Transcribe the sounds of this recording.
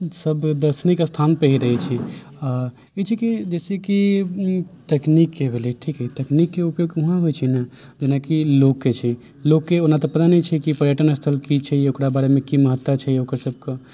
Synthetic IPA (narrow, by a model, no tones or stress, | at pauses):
səbd̪əɾsnikəst̪ʰanpəɦiɾəɦɛt͡ʃʰi | a | it͡ʃʰikid͡ʒeseki | t̪eknikːebʱeleʈʰikɦɛit̪eknikːeupjoɡuɦãɦojt͡ʃʰɛnə | d͡ʒenakilokːet͡ʃʰɛ | lokːeonat̪ɔpət̪anit͡ʃʰɛkipɾjəʈənəst̪ʰəlkit͡ʃʰɛokɾabaɾemẽkiməɦət̪ːwət͡ʃʰɛokəɾsəb̚ʱke